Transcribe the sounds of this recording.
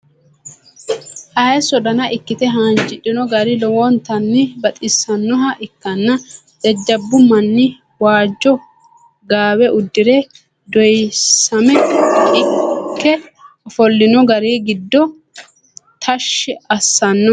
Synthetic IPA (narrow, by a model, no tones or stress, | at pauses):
ʔɐjsɔd̪ɐnɐʔɪkːɪt̪ɛɦaːnd͡ʒɪᶑɪnɔɡɐɾɪlɔwɔnt̪ɐnːɪbɐt̪ʼɪsːɐnːɔɦɐʔɪkːɐnːɐ | d̪ɐd͡ʒːɐbːʊmɐnːɪ | waːd͡ʒːɔ | ɡaːwɛʔʊd̪ːɪɾɛ | d̪ɔjsɐmɛɪkːɛ | ɔfɔlːɪnɔɡɐɾiːɡɪd̪ːɔ | t̪ʰɐʃːɪɐsːɐnːɔ